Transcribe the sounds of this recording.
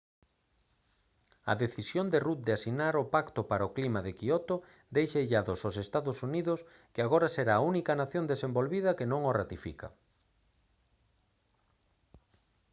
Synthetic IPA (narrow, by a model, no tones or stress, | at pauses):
ɐ̰ðeθisjond̪erut̪̚d̪easinaɾʊpakt̪opaɾaoklimaðekiɔt̪o | d̪ejʃaeʎaðososest̪aðʊsuniðʊs | kɪaɣ̞oɾɐseɾaːunikɐnaθjond̪esembolβið̞ɐkenõŋorat̪ifḭkɐ̰